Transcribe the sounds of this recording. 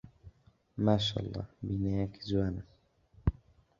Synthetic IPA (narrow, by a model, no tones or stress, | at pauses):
maʃa̰lˤːɑ̰binaaki̥zuana